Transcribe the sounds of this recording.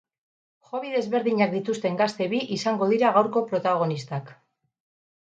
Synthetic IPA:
xo̞βiðe̞zβe̞ɾðiɲak̚d̪it̪ust̪e̞ŋɡast̪e̞βiʔisaŋɡo̞ðiɾaɣawɾko̞pɾo̞t̪aɣ̞o̞nist̪ak

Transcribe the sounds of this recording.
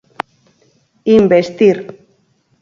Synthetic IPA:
imbest̪iɾ

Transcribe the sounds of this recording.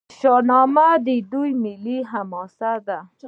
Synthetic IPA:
ʃɑnɑmad̪ed̪ujmɪliɦamɔsad̪a

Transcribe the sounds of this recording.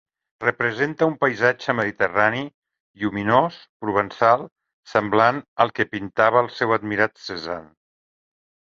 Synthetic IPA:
rəpɾəzent̪əumpəjzad͡ʒəməðit̪ərani | iuminospɾuβənsalˠ | səmblanəlˠkəpint̪aβəəlˠsɛwəd̪miɾat̪səza̰n

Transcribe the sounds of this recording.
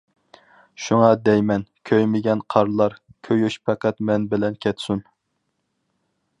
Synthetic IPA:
ʃuŋɑd̪ɛjmɛnkʲʰøjmɪɡʲɛnqʰɑɾlˠɑɾkʲʰøjyʃpʰɛqæt̪mɛnbɪlɛnkʲʰɛt̪sun

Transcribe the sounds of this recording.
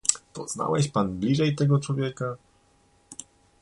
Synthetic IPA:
t̪ɔz̥na̰wɛɕpanblʲiʐɛjt̪ɛɡɔt͡ʂwɔvʲjɛka

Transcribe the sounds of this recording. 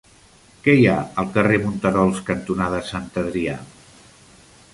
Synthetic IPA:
kɛjaəlˠkəremunt̪əɾɔlˠskənt̪unaðəsant̪əðɾia

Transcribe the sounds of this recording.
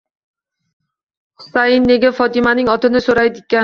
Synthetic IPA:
χʊ̥sajɪnːeɡʲafɒt̪ɪmanɪŋɒt̪ɪnɪsoɾajd̪ɪt̪̚kʲːa

